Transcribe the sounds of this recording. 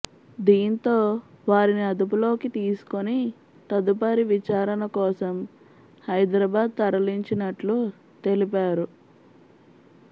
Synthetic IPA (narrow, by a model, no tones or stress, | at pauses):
d̪iːnt̪o̞ːʋaːɾiniɐd̪upulo̞ːkit̪iːsu̥koni | t̪ɐd̪upaɾiʋit͡ʃaːɾɐnɐkɔːsɐm | hɐjd̪ɾɐbaːd̪̚t̪ɐɾɐliɲt͡ʃinɐʈlu | t̪e̞lipaːɾu